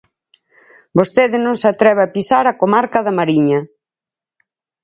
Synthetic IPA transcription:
bost̪eðɪnõŋsat̪ɾɛβapisaɾakomaɾkɐðɐmaɾiɲɐ

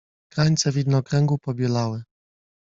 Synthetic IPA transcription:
kɾaɲt̪sɛvʲid̪nɔkɾɛŋɡupɔbʲjɛlawɘ

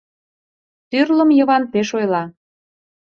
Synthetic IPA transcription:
t̪yrlə̆mjə̆βɑnpeʃojlɑ

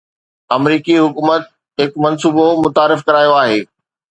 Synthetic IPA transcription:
ɐmɾiːkiɦʊkuːmət̪̚ | ɦɪkmɐnsuːbomʊt̪aːɾɪfkɐɾaːjoaːɦeː

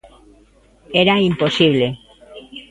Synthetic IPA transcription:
eɾaimposiβ̞le

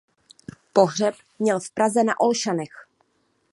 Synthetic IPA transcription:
poɦrɛp | mɲɛlfpɾazɛnaʔolʃanɛx

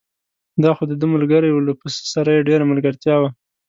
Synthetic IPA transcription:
d̪ɑxod̪əd̪əmalɡəɾajwləpəsə̥saɾajeɖeɾamalɡəɾt̪jɑwa

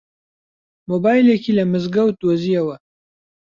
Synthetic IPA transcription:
mobaːjlekilɐmɨzɡɐwt̪oːziɐwɐ

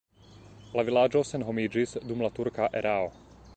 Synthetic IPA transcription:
laʋilaːd͡ʒɔsɛnɦɔmiːd͡ʒisd̪umlat̪uɾkaʔɛɾʔaːɔ

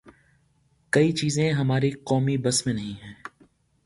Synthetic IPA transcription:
kɐit͡ʃiːzẽɦɐmaːɾiqɔːmibɐsmẽnɐɦĩɦɛ̃ː

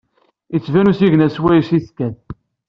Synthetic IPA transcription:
it͡sːvænusiʝnæswæjsiskæð

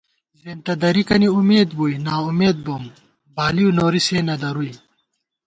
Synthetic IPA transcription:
zent̪ɐd̪ɐɾikɐniumeːd̪buːjnaːumeːd̪̚boːm | baːliunoːɾiseːnɐd̪ɐɾuj

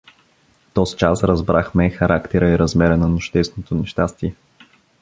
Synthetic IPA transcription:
t̪ɔzit͡ʃasɾɐzbɾaxmɛxɐɾʔakt̪ɛɾəiɾɐzmɛɾənɐnʊʃt̪ɛsnot̪onɛʃt̪ast̪iɛ

